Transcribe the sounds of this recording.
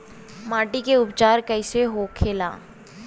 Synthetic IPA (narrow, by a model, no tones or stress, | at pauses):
maːʈikeʊpt͡ʃaːɾkəɪseɦoːkʰeːla̰ː